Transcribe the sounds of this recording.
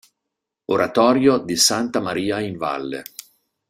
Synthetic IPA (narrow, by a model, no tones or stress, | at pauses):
oɾat̪ɔːɾjod̪isant̪amaɾiːaiɱva̰lːḛ